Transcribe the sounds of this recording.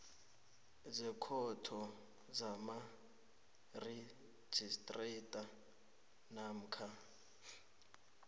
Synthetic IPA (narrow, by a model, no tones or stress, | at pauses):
zɛkʰɔtʰɔ | zama | re̥ | d͡ʒ̥ʱistʼretʼa | nam̩kʰa